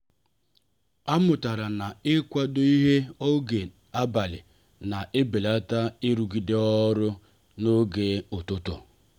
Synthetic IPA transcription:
a˦mʊ˨ta˨ɾa˨na˨ɪ˦kʷa˦do˦i˦ɦe˦o˦ɡe˨ | a˦ba˨lɪ̰˨ | na˨ʔɪ˦be˨la˦ta˦ɪ˦ɾu˨ɡi˨de˦ɔ˦ɾʊ˦ | no˦ɡe˨ʊ˨tʊ˦tʊ̰˨

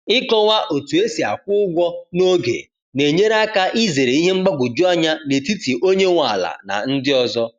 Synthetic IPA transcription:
ɪ˦kɔ˦wʷa˦ʔo˨tu˨e˦si˨a̰˨kʷʊ˦ʊ˦ɡʷɔ˦no˦ɡḛ˨ | ne˨ɲe˦ɾa˦ka˦ʔi˦ze˨ɾe˨i˦ɦe˦ŋ͡m̩˦ɡ͡ba˦ɡʷʊ˨d͡ʒu˦a˦ɲa˦ne˨ti˦ti˨ʔo˦ɲe˦ŋʷa˨la̰˨na̰˨n̩˦dɪ˦ɔ˦zɔ˦

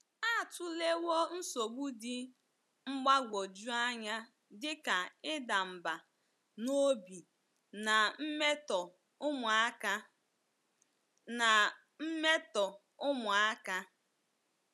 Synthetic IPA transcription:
a˦˨tʊ˦le˦wo˦n̩˦so˨ɡ͡bu˦dɪ˦ | ŋ͡m̩˦ɡ͡ba˦ɡʷo˨d͡ʒu˦a˦ɲa˦ | dɪ˦ka˨ɪ˦da˨m̩˨ba˨ | no˦bi˨ | na˨m̩˦me˦tɔ˨ | ʊ˦mʊ˨a˦ka˦ | na˨ | m̩˦me˦tɔ˨ | ʊ˦mʊ˨a˦ka˦

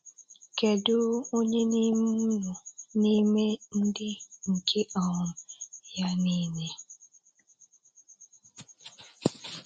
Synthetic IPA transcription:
ke˨dʊ˦o˦ɲe˦ni˦m̩˦u˦ŋu˨ni˦me˦n̩˦dɪ˦ŋ̩˨kʰe˦ɔ˨ʊ˨ja˦niː˦ne˨

